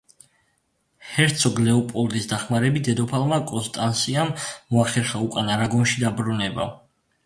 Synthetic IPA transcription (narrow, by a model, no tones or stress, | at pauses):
hɛɾt̪sʰɔɡlɛɔpʼɔld̪isd̪aχmaɾɛbit̪̚ʰd̪ɛd̪ɔpʰalˠmakʼɔnst̪ʼansiamːɔaχɛɾχaukʼanaɾaɡɔnʃid̪abɾunɛba̰